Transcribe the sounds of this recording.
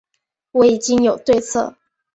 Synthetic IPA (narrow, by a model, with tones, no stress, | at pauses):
wɔ˧˥i˨˩t͡ɕi˥ŋjo˨˩ʊt̪we˥˧ɪt͡sʰɤ̰˥˩